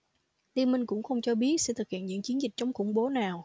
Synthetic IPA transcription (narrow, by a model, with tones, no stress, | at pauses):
t̪i˧mï˧ŋ̟kʊ̰˧˥ŋ͡mxə˧wŋ͡mt͡ɕɔ˧ɓi˦˥ət̚sɛ̰˧˥t̪ʰɨ˨˩k̚hḭ˧˨ənɲɨ̰˧˥əŋt͡ɕi˨˦ənzi˨˩k̟̚t͡ɕɔ˧wŋ͡mxʊ̰˧˩ŋ͡mɓo˨˦naː˨˩w